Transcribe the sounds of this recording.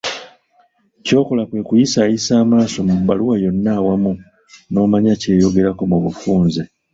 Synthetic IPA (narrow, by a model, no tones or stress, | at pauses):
co̞ːko̞lakwe̞kujisaisaːmaːso̞mubːaluwajo̞nːaːwamu | no̞ːmaɲace̞ːjo̞ɡe̞ɾako̞muβufuːnze